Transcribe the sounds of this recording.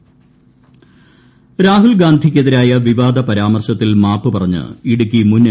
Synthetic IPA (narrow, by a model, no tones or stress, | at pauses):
ɾaːɦulɡaːnd̪ʱikʲːeðiɾaːjɐʋiʋaːd̪ɐpɐɾaːmɐrɕɐt̪ːilmaːpːɨpɐrɐɲːɨ̰iɽukʲːimunː